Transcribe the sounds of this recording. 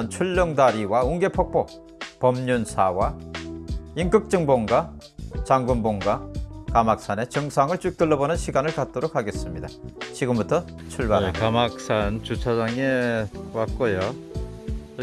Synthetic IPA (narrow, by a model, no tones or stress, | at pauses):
nt͡ɕʰuɭːʌŋdaɾiwauŋɡe̞pʰʌk̚p͈o | pʌmɲunsʰawa | iŋkɯk̚t͡ɕ͈ɯŋboŋɡa | t͡ɕaŋɡumboŋɡakamak̚s͈ane̞t͡ɕɯŋsʰaŋɯɭt͡ɕuik̚t͈ɯɭːʌbonɯnɕʰiɡanɯɭkat̚t͈oɾok̚haɡe̞s͈ɯmɲidat͡ɕiɡɯmbutʰʌ | t͡ɕʰuɭbaɾakamak̚s͈ʰant͡ɕut͡ɕʰad͡ʑaŋewat̚k͈ojo